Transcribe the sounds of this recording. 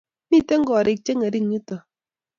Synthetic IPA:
mi˦te˦ŋ̩˦ɡɔ˨ɾe˨t͡ʃe˦ŋe˨ɾi˦˨ŋi˦tɔ˨

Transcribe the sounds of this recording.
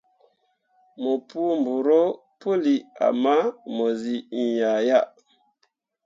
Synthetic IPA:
mo˨pu˦m˨bu˨ɾo˦ | pu˦li˨a̰˨ma˦mo˨zi˨i˨ja˨ja˦ʔ

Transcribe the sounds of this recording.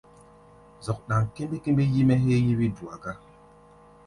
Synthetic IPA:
zɔ˨k̚ɗa˨ŋ˨ke˦mbe˦ke˦mbe˦ji˦mɛ˦ɦe˦ji˦wi˦du˨a˨ɡa˦

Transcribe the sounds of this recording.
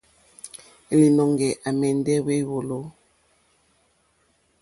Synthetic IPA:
e˨li˨nɔ˨ŋɡɛ˨ʔa˨mɛ˨n˦dɛ˦we˦˨wo˨lo˦

